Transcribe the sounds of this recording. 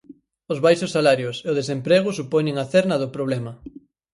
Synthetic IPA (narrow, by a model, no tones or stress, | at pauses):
ozβajʃʊsːalaɾjʊseʊð̞esempɾeɣʊsupɔɲeŋaθeɾnaðʊpɾoβ̞lɛmɐ